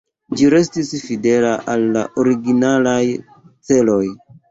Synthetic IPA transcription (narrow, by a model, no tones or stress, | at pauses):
d͡ʒiɾe̞stisfide̞laʔalːa̰ʔoɾiɡinalaj | t͡se̞lo̞j